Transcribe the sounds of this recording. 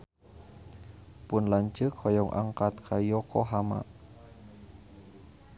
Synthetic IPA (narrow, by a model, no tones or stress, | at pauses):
pʊnlaɲd͡ʒəkʰɔjɔŋʔa̰ŋkat̪̚kʰajɔkɔɦama̰ʔ